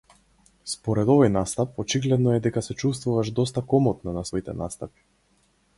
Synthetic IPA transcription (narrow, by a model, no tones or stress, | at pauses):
spɔɾɛd̪ɔvɔjnast̪apɔt͡ʃiɡlɛd̪nɔɛd̪ɛkasɛt͡ʃust̪vuvaʃd̪ɔst̪akɔmɔt̪̚nɔnasvɔit̪ɛ̰nast̪api̥